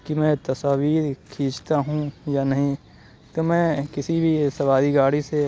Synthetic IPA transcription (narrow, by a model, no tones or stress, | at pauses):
kimɛ̃t̪ɐsaːʋiːɾkʰĩːt͡ʃt̪aɦũjanɐɦĩ | t̪omɛ̃ːkɪsibʱisɐbaːd̪iɡaːɽise